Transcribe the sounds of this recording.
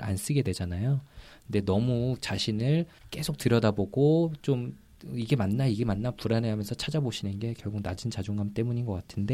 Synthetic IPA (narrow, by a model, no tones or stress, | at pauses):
a̰ns͈ɯɡe̞dwe̞d͡ʑanajokɯnde̞nʌmut͡ɕaɕʰinɯɭk͈e̞sʰok̚tɯɾjʌdaboɡot͡ɕom | iɡe̞manːaiɡe̞manːapuɾaneɦamjʌnsʰʌt͡ɕʰad͡ʑaboɕʰinɯnɡe̞kjʌɭɡuɡ̚nad͡ʑint͡ɕad͡ʑoŋɡamt͈e̞muɲinɡʌk͈atʰɯnde̞